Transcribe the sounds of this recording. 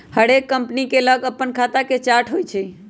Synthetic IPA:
həɽekːəmpnikeləɡəpːənkʰat̪aket͡ʃaɾʈʰɦojt͡ʃʰɛ

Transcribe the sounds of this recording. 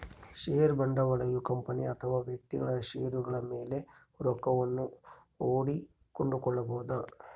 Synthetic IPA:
ʂeːɾbɐɳɖɐʋɐɭɐjukɐmpɐniɐt̪ʰɐʋaːʋjɐk̚t̪iɡɐɭɐʂeːɾuɡɐɭɐme̞ːle̞ | ɾɔkːɐʋɐnːu | oːɽi | koɳɖukɔɭːɐboːd̪ɐ

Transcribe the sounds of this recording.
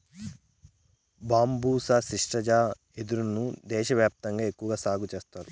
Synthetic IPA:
baːmbuːsaːsiʂʈɐd͡ʒaː | e̞d̪uɾunːud̪ɛːʃɐʋjaːp̚t̪ɐŋɡaːe̞kːuʋɐɡaːsaːɡut͡ʃeːst̪aːɾu

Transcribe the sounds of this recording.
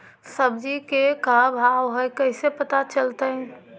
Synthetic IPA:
səbd͡ʒikekabʱawɦɔjkəɪsepət̪at͡ʃəlt̪eɛ̃

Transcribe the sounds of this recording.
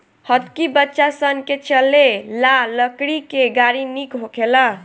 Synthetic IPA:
hət̪kibətːʃasənket͡ʃəlelaləkɽikeɡaɾinikɦokʰelʌ

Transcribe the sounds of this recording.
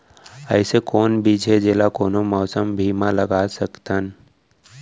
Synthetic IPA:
əɪsekoːnbʱid͡ʒʱed͡ʒeːlakoːnomɔːsəmbʱiːmãləɡaːsəkt̪ən

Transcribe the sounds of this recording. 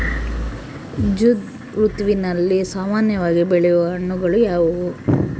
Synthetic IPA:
d͡ʒud̪ | ɾut̪ʋinɐlːisaːmaːnjɐʋaːɡibeɭɛjɔʋɐɐɳːuɡɐɭujaːʋu

